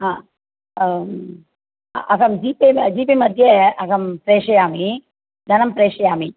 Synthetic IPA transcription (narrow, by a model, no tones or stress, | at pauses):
ɦãː | ɐkɐmd͡ʒiːped͡ʑiːp̬emɐd̪ʱjeɐkɐmpɾeːʂɐjaːmi | d̪ʱɐnɐmpɾeːʂɐjaːmi